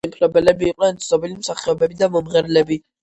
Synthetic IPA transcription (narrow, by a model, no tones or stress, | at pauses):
impʼɾɔbɛlɛbiːqʼnɛnt̪sʰnɔbilimsaχɛɔbɛbid̪amɔmʁɛɾlɛbi